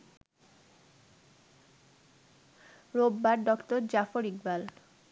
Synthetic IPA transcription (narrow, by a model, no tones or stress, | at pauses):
ɾobːaɾɖɔktoɾd͡ʑafoɾik̚bal